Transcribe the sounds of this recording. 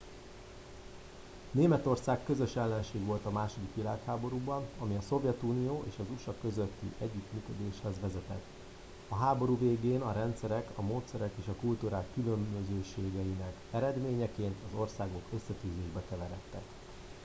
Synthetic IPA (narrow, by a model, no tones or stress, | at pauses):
neːmɛt̪o̞rsaːkːø̞zø̞ʃɛlːɛnʃeːɡʋo̞lt̪ɒmaːʃod̪ikʋilaːkhaːbo̞ɾuːbɒnɒmiɒso̞vjɛt̪uːnijoːʔeːʃɒzuʃɒkø̞zøt̪ːḭʔɛɟːyt̪myːkø̞d̪eːʃhɛzʋɛzɛt̪ɛt̪ː | ɒɦaːbo̞ɾuːveːɡeːnɒɾɛnt̪sɛɾɛkɒmoːt̪sɛɾɛkeːʃɒkult̪uɾaːkːylømbøzøːʃeːɡɛjinɛkɛɾɛd̪meːɲɛkeːnt̪ɒzo̞rsaːɡo̞kø̞sːɛt̪yːzeːʒbɛkɛvɛɾɛt̪ːɛ̰k